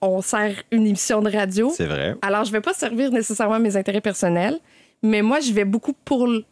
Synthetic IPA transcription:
ɔ̃sɛːʁynemisjɔ̃d̪əʁad͡zjosɛ̰vʁɛ̰alɔːʁʒəvɛpasɛʁviːʁnesesɛʁmɑ̃mezɛ̃t̪eʁɛpɛʁsɔnɛl | mɛmwaʒəvɛbukupuʁl

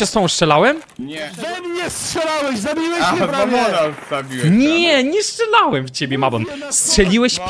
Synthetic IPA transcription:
ɛsɔ̃w̃st͡ʂɛlawɛm | zɛmɲɛstʂɛlawɛɕzabʲiwɛɾaɔnazabʲiwɛɲɛɲɛstt͡ʂɛlawɛmft͡ɕebʲjɛmabɔn | stʂɛlʲiwɛɕp

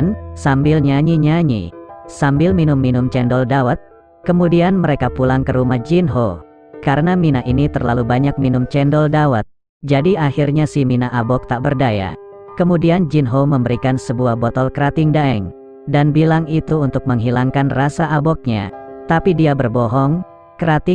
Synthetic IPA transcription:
nsambɪlɲaɲiɲaɲḭsambɪlminʊmːinʊmt͡ʃɛndɔldawat̪̚ | kəmudianməɾekapulaŋkəɾumahd͡ʒinɦo | kaɾənaminaʔinit̪ərla̰lubaɲak̚minʊmt͡ʃɛndɔldawat̪̚ | d͡ʒadiahirɲasihminaʔabɔk̚t̪aʔbərdaja̰ | kəmudiand͡ʒinɦoməmbəɾikansəbuahbɔt̪ɔlkəɾat̪ɪŋdaɛŋ | danbilaŋit̪uːnt̪ʊk̚məŋɦilaŋkanrasaabɔk̚ɲa̰t̪apidiabərbɔɦɔŋ | kəɾat̪ɪ

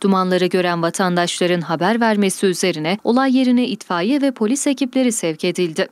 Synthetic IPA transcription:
d̪̥umanlˠaɾɯɟø̞ɾænvat̪ʰand̪aʃlˠaɾɯnɦabæɾvæɾme̞siyze̞ɾinɛo̞lˠajːe̞ɾinɛʔit̪faːjɛvɛpʰo̞lʲise̞cʰiplʲe̞ɾisɛvce̞d̪ilʲd̪ɪ

